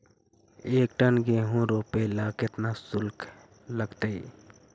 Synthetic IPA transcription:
eːk̚ʈənɡeɦũɾoːpelaːkɪt̪nasʊlkʰ | ləɡt̪əi

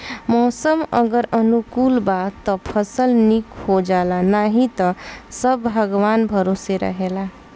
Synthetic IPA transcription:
mɔsəmə̰ɡəɾənukulbat̪ɔpʰəsəlnikhod͡ʒalanaɦit̪ʌsəbbʱəɡwanbʱəɾoseɾə̰ɦela

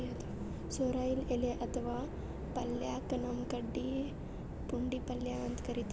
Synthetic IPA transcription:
et̪ | soɾaileleʔət̪ʰʋa | pəlːjakənəmkəɖːi | puɳɖiːpəlːjaʋənt̪kəɾit̪

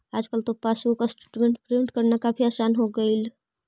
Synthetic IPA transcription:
ad͡ʒkəlt̪opasukasʈuʈmẽɳʈkɾiɳʈkəɾnakapʰiaːsanɦoɡəil

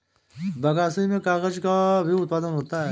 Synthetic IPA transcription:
bɐɡaːsiimẽkaːɣəd͡ʒkabʱiʊt̪̚paːd̪ənɦoːt̪aɦɛ

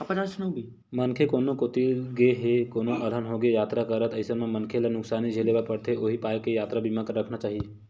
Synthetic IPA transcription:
ɐpɐt͡ʃaːsnəubi | mənkʰekoːnõkot̪iɡeɦekoːnõʔɐlənɦoɡejaːt̪ɾakɐɾət̪ɐɪsəmẽmɐnkʰelanʊksaːnid͡ʒʱeːlebaɾpɐɽt̪ʰeoːɦipaːjkejaːt̪ɾabʱiːmãkəɾːɐkʰnat͡ʃaːɦijeː

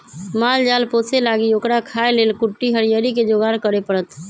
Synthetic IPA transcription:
mald͡ʒalposelaɡiokɾakʰaelelkuʈːiɦəɾijəɾiked͡ʒoɡankəɾepəɽət̪

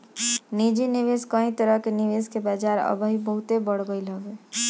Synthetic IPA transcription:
nid͡ʒiniʋeskə̃ɦĩt̪əɾəɦkeniʋeskebad͡ʒaɾə̰bəɦibəɦut̪ebəɽ̤ɡəiləɡe

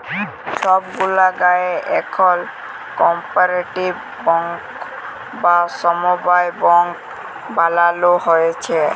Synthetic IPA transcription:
ʃɔbɡulaɡaeʔɛkʰɔl | kɔmpaɾeʈibːɔŋk | basɔmobajbɔŋk | balaloɦojet͡ɕʰe

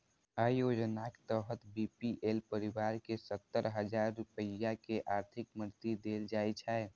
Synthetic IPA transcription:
aːjod͡ʒnake̥t̪əɦət̪bipiʔelpəɾiwaːɾkesət̪ːəɾɦəd͡ʒaːɾːupəjakeʔaːɾt̪ʰɪkməɾt̪id̪eːld͡ʒaːjt͡ʃʰɛɛ

